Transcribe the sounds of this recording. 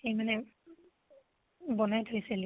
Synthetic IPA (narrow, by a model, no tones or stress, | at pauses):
ejmanɛ | bɔnajtʰojsɛl